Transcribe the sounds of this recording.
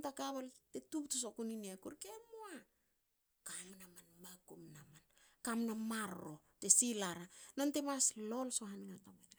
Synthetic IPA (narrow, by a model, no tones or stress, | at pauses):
ntakaβaltetuptos̬okunineakuɾkemoa | kamnamanmakumnaman | kamnamaɾo̞ | te̞silaɾano̞nte̞maslo̞lso̞ɦaniŋatamana